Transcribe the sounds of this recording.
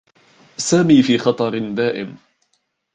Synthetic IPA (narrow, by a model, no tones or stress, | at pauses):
saːmiːfiːxɑt̪ˤɑɾɪnd̪aːʔɪm